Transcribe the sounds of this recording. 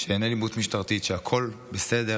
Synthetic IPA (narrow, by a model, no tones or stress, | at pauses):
ʃeenelimut̪miʃtaʁt̪it̪ʃeakʰo̞lbesede